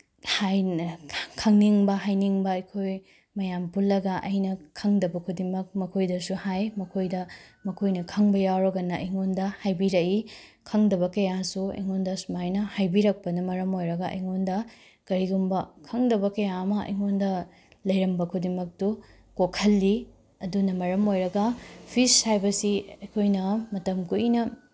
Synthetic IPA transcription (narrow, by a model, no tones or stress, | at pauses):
haj | kʰɐŋniŋbɐɦajniŋbɐɐjkʰoj | mɐjampulːɐɡɐʔɐ̰jnɐkʰɐŋdɐbɐkʰudimɐk̚mɐkʰojdɐsuhajmɐkʰojdɐmɐkʰojnɐkʰɐŋbɐjawɾɐɡɐnɐʔɐ̰jŋondɐhajbiɾɐikʰɐŋdɐβɐkɐjasuɐ̰jŋondɐsumajnɐhajbiɾɐk̚pɐnɐmɐɾɐmojɾɐɡɐʔɐ̰jŋondɐ | kɐɾiɡumbɐkʰɐŋdɐbɐkɐjaɐmɐɐ̰jŋondɐ | lɐjɾɐmbɐkʰudimɐk̚tu | kokʰɐlːi | ɐdunɐmɐɾɐmojɾɐɡɐpʰishajbɐsiɐjkʰojnɐmɐtɐmkuʔinɐ